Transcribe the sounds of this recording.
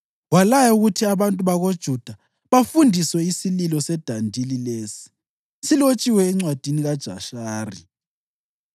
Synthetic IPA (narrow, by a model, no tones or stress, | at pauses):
walajɛuɣutʰiaβantʼuβaɣod̥ʒ̥ʱud̥ʱa | βafundʱiswɛisililɔsɛd̥ʱandʱilileːsi̥ | silot͡ʃʼiwɛːŋ͡ǀwad̥ʱiniɣad̥ʒ̥ʱa̰ʃaːri